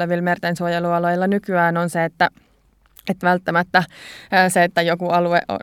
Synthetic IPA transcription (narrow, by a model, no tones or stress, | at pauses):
eʋilmert̪ensuojeluɑlojilːɑnykyæːnonseet̪ːæ | et̪ʋælt̪ːæmæt̪ːæːseet̪ːæjokuɑlueʔo̰